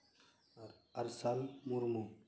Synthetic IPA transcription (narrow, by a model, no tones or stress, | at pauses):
ɐɾsalmuɾmu